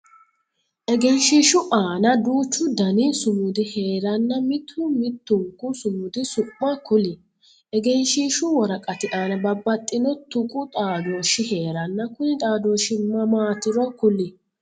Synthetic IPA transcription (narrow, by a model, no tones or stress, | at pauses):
ʔɛɡɛnʃiːʃʊʔaːnɐd̪uːt͡ʃːʊd̪ɐnɪsʊmʊd̪ɪhe̞ːɾɐnːɐmɪt̪ʰːʊmɪt̪ːʊŋkːʊsʊmʊd̪ɪsʊpʼːɐkʊlɪ | ʔɛɡɛnʃiːʃʊwɔɾɐkʼɐt̪ɪʔaːnɐbɐbːɐt̪ʼːɪnɔt̪ʊkʼʊt̪ʼaːd̪o̞ːʃɪhe̞ːɾɐnːɐkʊnɪt̪ʼaːd̪oːʃɪmɐmaːt̪ɪɾɔkʊlɪ